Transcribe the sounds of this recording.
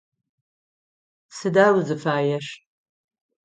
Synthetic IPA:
sɨdawzɨfaːjaʃtʼ

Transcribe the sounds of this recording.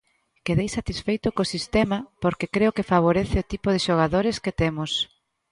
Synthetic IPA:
keðejsat̪isfejt̪ʊkosist̪ɛmɐpoɾkekɾeʊkɪfaβ̞oɾeθɪot̪ipʊð̞ɪʃoɣ̞aðoɾɪskɪt̪ɛmʊs

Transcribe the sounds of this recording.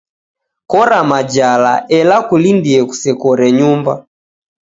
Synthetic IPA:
kɔɾamad͡ʒala̰ʔɛlakulindiɛku̥sɛkɔɾɛɲumba

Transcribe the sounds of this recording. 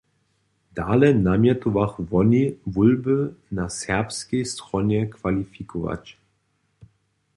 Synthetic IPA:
d̪̥aːlɛnamjɛt̪uvaxvɔnivulbənasɛʁpskɛjst̪ʁɔnɛkvalifikʰɔva̰t͡ɕ

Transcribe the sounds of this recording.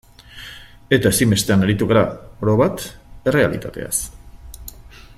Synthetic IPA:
e̞t̪aesimbe̞st̪e̞aneɾit̪uɣaɾaoɾoβat̪e̞re̞a̰lḭt̪at̪e̞̰a̰s

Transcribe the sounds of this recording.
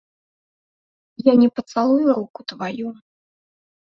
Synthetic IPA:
janʲɛpɐt̪salˠujuɾukut̪vaju

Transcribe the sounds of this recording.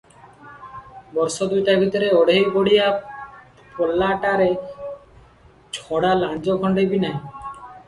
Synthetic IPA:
bɔɾsɔd̪ujʈabʱit̪ɔɾeɔɽejboɽija | pʰɔlaʈaɾe | d͡ʒʰʱɔɽaland͡ʒɔkʰɔɳɖebinaɦĩ

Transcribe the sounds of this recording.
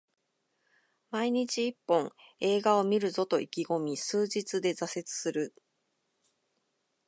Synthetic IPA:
maiɲ̟it͡ɕiːpːõ̞ŋe̞ːɡao̞mʲiɾɯ̟zo̞t̪o̞ikʲiɡo̞mʲisɨːʑit͡sɨd̪e̞zase̞t͡sɨ̥sɨɾɯ̟

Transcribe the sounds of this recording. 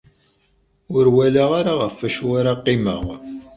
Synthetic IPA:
ʊɾwælaʁaɾaʁəfæʃuaɾaqːɪmə̰ʁ

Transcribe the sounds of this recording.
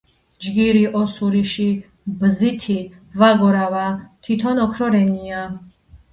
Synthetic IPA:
d͡ʒɡiɾiʔɔsuɾiʃi | bzit̪ʰi | vaɡɔɾavat̪ʰit̪ʰɔnɔkʰɾɔɾɛnia

